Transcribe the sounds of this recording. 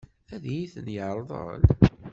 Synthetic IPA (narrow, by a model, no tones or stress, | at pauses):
æðjiθənjəʕɾˤðˤə̰l